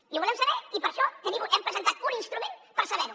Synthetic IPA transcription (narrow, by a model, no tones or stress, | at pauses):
iβulɛmsəβɛipəɾʃɔt̪əðiɣuʔɛmpɾəzənt̪at̪uninst̪ɾumenpəɾsəβɛɾu